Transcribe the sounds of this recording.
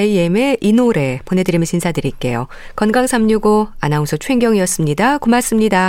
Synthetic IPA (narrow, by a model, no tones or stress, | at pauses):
eieme̞ʔinoɾe̞pone̞dɯɾimɯɕʰinsʰadɯɾik͈e̞̰jo̰ | kʌnɡaŋsʰamɲuɡoa̰nausʰot͡ɕʰweŋɡjʌŋiʌs͈ɯmɲidakomas͈ɯmɲida